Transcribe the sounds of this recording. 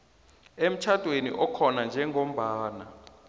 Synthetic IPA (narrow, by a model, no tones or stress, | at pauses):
em̩t͡ʃʰad̥ʱwenḭʔɔkʰɔnand͡ʒʱɛŋʱom̩ɓaːna